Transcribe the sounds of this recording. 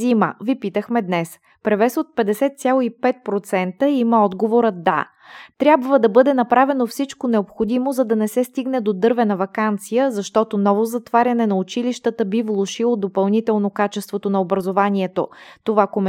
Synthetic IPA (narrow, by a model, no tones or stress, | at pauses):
imə̰vipit̪əxmɛd̪nɛs | pɾɛvɛsot̪̚pɛd̪ɛsɛt̪sʲjalˠoipɛt̪̚pɾot̪sɛnt̪əiməɔd̪ɡovoɾəd̪a̰ | t̪ɾʲjabvəd̪ɐbɤd̪ɛnɐpɾavɛnofsit͡ʃkonɛopxod̪imozɐd̪ɐnɛsɛst̪iɡnɛd̪od̪ɤɾvɛnɐvɐkant̪sijəzɐʃt̪ɔt̪onɔvozɐt̪vaɾʲɐnɛnɐʊt͡ʃiliʃt̪ət̪əbivlˠoʃilˠod̪opɐlˠnit̪ɛlˠnokat͡ʃɛst̪vot̪onɐobɾɐzovaniɛt̪o̰t̪ovakom